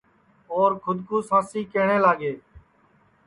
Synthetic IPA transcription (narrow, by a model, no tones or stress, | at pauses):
oːɾkʰʊd̪kuːsãːsiːkeːɳeːlaːɡeː